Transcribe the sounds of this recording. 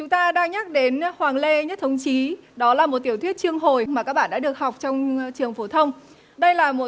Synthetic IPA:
t͡ɕʊ˨˦ŋ͡mt̪aː˧ɗaː˧ŋɲaː˦˥k̚ɗe˨˦nhwaː˨˩ŋle˧ɲə˦˥t̚t̪ʰə˨˧wŋ͡mt͡ɕi˨˦ɗɔ˨˦laː˨˩mo˨˩t̚t̪i˧˩əwt̪ʰwət̚t͡ɕɨ˧əŋɦo˨˩jmaː˨˩kaː˦˥k̚ɓa̰ː˧˨ɗ̰ːɗɨ˨˩ə˩k̚ɦa˨˩wk͡p̚t͡ɕɔ˧wŋ͡mt͡ɕɨ˨˩əŋfo˧˦t̪ʰə˧wŋ͡m | ɗə˧jlaː˨˩mo˨˩

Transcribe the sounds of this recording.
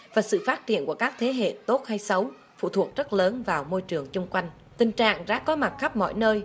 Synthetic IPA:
vaː˨˩sɨ̰˧˨faː˦˥t̚t͡ɕḭ˧˨ənku˧˩əkaː˦˥k̚t̪ʰe˨˦ɦḛ˧˨t̪o˦˥t̚ha˧jsə˨˦w | fṵ˧˨t̪ʰu˨˩ək̚zə˦˥t̚ləː˨˦nvaː˨˩wmo˧jt͡ɕɨ˨˩əŋt͡ɕʊ˧ŋ͡mkwa˧jŋ̟ | t̪ï˨˩ŋ̟t͡ɕa̰ː˧˨ŋza̰ː˧˥kɔ˨˦ma˨˩t̚xa˦˥p̚mɔ̰˧˨jnəː˧j

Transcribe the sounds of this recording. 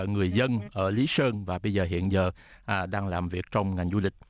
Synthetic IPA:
ŋɨ˨˩əjzə˧nʔəː˧˩li˨˦səː˧nvaː˨˩ɓə˧jzəː˨˩ɦḭ˧˨ənzəː˨˩ | ʔɗaː˧ŋlaː˨˩mvi˨˩ək̚t͡ɕɔ˧wŋ͡mŋa˨˩jŋ̟zu˧lï˨˩k̟̚

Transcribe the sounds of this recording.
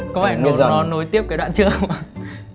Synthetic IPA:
kɔ˨˦fa˧˩˧nɔ˨˦no˨˦jt̪i˦˥əp̚kaː˨˦jɗwa̰ː˧˨nt͡ɕɨ˦˥əkŋ͡ma˨˧˩

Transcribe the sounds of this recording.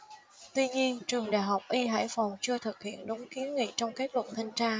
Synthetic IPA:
t̪wi˧ɲi˧ənt͡ɕɨ˨˩əŋɗa̰ː˧˨jɦa˨˩wk͡p̚ʔi˧ɦa̰ː˧˥˩jfa˨˩wŋ͡mt͡ɕɨ˧ət̪ʰɨ˨˩k̚hḭ˧˨ənɗʊ˨˦ŋ͡mki˨˦ənŋḭ˧˨t͡ɕɔ˧wŋ͡mke˦˥t̚lwə̰˧˨nt̪ʰi˧ŋt͡ɕaː˧

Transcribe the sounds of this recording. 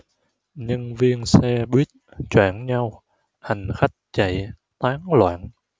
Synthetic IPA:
ɲə˧nvi˧ənsɛ˧ɓwi˦˥ət̚t͡ɕwa̰ː˧˩nɲa˧w | ha˨˩ŋ̟xa˦˥jk̟̚t͡ɕa̰˧˩˨j | t̪aː˨˦ŋlwa̰ː˧˥n

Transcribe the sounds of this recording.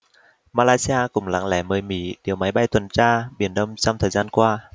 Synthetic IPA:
maː˧laː˧si˧aː˧kʊ˧˩ŋ͡mla̰˧˥ŋlɛ̰˧˩məː˨˩jmḭ˧˩ɗi˨˩əwma˨˦jɓa˧jt̪wə˨˩nt͡ɕaː˧ɓi˨˧˩ənɗə˧wŋ͡mt͡ɕɔ˧wŋ͡mt̪ʰəː˨˩jzaː˧nkwaː˧

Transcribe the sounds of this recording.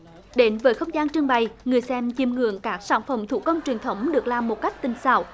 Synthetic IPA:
ɗe˨˦nvəː˨˦jxə˧wŋ͡mzaː˧nt͡ɕɨ˧əŋɓa˨˩jŋɨ˨˩əjsɛ˧mt͡ɕi˧˩mŋɨ̰˧˨əŋkaː˦˥k̚saː˧˩nfə˧˩mt̪ʰṵ˧˥kə˧wŋ͡mt͡ɕwi˨˩ənt̪ʰə˨˦wŋ͡mɗɨ˨˩ək̚laː˨˩mːo˨˩t̚ka˦˥jk̚t̪ï˨˩ŋ̟sa̰ː˧˩w

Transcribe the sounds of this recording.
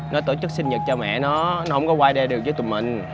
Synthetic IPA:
nɔ˨˦t̪o˧˩t͡ɕɨ˦˥k̚sï˧nɲə˨˩t̚t͡ɕɔ˧mɛ̰˧˨nɔ˨˦nɔ˨˦hə˧˦ŋ͡mkɔ˨˦kwaː˧jɗɛ˧ɗɨ˨˩ək̚zə˨˦t̪ːmḭ̈˨˩ŋ̟

